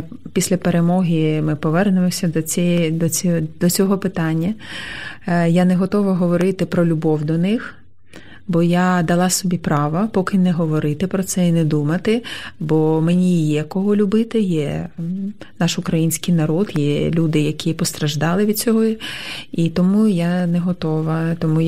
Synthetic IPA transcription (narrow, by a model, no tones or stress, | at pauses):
pʲisʲlʲɐpeɾemɔɦʲimɪpɔʋɛrnʊmɔsʲɐd̪ɔɛd̪ɔd̪̥ɔt͡sʲɔɦɔpɪt̪ɑnʲːɐ | janɛɦɔt̪ɔʋɐɦɔʋɔɾɪt̪ɪpɾɔlʲʊbɔwd̪ɔnɪx | bɔjad̪ɐlˠɑsɔbʲipɾɑʋɐpɔkɪnɛɦɔʋɔɾɪt̪ɪpɾɔt̪sɛinɛd̪umɐt̪ɪbɔmenʲijɛkɔɦɔlʲʊbɪt̪ɪjɛ | nɑʃʊkɾɐjinʲsʲkɪjnɐɾɔd̪jɛlʲud̪ɪjɐkʲipɔst̪ɾɐʒd̪ɑlˠɪʋʲid̪̥̚t͡sʲɔɦɔ | it̪ɔmujanɛɦɔt̪ɔʋɐt̪ɔmu